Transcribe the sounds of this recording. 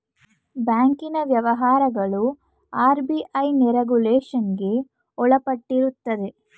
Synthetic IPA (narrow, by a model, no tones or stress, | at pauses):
baːŋkinɐʋjɐʋɐɦaːɾɐɡɐɭu | aːɾbiʔɐjniɾeɡuleːʂɐnɡe̞ | ɔɭɐpɐʈːiɾut̪ːɐd̪e̞